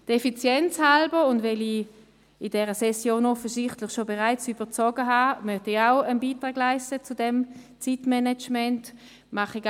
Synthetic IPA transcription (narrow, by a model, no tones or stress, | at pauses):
d̥ɛfit͡sjɛnt͡shalbəʊndvɛli | ɪd̥ɛːʁəsɛsjoːnɔfəsɪχtlɪχʃobeʁaɪt͡syb̥ət͡sɔɡəɦaːmœχtiaʊənbiːtʁaːɡlaɪstət͡sudɛmt͡sitmɛnɛt͡ʃmɛnt | maχiɡ